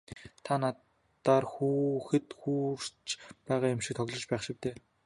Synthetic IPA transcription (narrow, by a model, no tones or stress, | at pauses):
t̪ʰanat̪ | aːrxuːxɘ̆t̪xuːr̥t͡ɕpæːʁaːjʊmʃĭk̚t̪ʰɔɣɮɞ̆t͡ɕpæːχʃɪ̆k̚t̪ʰeː